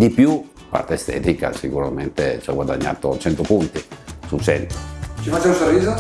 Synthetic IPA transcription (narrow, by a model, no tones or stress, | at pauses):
d̪ipju | pa̰rt̪eɛst̪ɛ̰ːt̪ika̰sikuɾament̪et͡ʃaɡwad̪a̰ɲːa̰ːt̪ot͡ʃɛnt̪opunt̪isut͡ʃɛnt̪o̥t͡ʃifat͡ʃːaunsorːiːzo